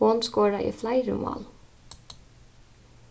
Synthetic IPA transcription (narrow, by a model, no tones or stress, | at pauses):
ɔːnskoːɹaʔḭflaɪɾʏ̰mɑ̰ːl